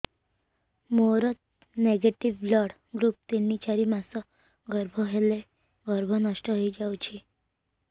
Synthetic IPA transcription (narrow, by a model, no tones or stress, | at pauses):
moɾət̪ | neɡeʈiʋblɔɽ | ɡɾuːp̚t̪enːit͡ɕaɾiːmasɔ | ɡəɾbʱɔɦele | ɡəɾbʱɔnaʂʈəɦojd͡ʑawt͡ɕi